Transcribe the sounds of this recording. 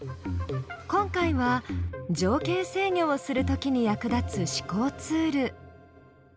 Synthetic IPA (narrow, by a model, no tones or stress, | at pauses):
kõ̞ŋkaiβad͡ʑo̞ːke̞ːse̞ːɲʲo̞ːsɨɾɯ̟t̪o̞kʲiɲ̟ijakɯ̟d̪at͡sɨɕi̥ko̞ːt͡sɨːɾɯ̟